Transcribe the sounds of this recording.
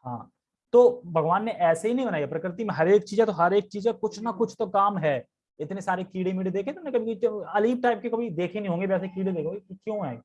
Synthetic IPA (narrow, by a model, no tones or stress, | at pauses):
ɦã̰ː | t̪oːbʱɐɡʋaːnːeʔɛːseɦinɐɦĩbɐnaːiapɾɐkɾɪt̪̬imẽɦɐɾeːk̚t͡ʃiːzɦɛt̪oɦɐɾeːk̚t͡ʃiːzɛkʊt͡ʃʰnakʊt͡ʃʰt̪okaːmɦɛː | ɪt̪nesaːɾekiːɽemiːɖed̪eːkʰẽk̪ɐnkɐbʱikiɐliːb̚ʈaːɪp̚kekɐbʱid̪eːkʰenəɦĩɦõːŋɡebɛːs̬ekiːɽed̪eːkʰõːɡekkjõːɦɛː